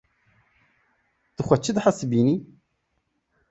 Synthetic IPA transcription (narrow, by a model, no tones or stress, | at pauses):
d̪̥ɨxʷɐt͡ʃʰːɨd̪ħasbini